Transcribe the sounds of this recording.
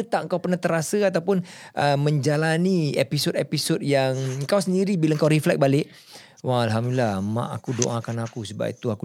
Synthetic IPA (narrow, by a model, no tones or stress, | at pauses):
ət̪aʔəŋkawpərnaht̪əɾasəat̪awpʊnʔəməɲd͡ʒalaniepisotepisot̚jaŋəŋkawsəndiɾibilaəŋkawɾiflɛk̚balɪʔ | waalɦamduilahmã̰ʔa̰kudoʔakanakusəba̰pḭt̪uaku